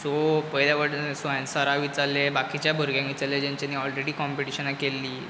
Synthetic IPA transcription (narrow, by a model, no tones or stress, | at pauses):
sopəjljaʋəɽsʋajãnsaɾaʋit͡salːebakit͡ɕjabʱəɾɡjãŋʋit͡saɾlːed͡ʑaɲt͡ɕanːiːɔlɾeɽiːkɔmpiʈiɕənakelːiː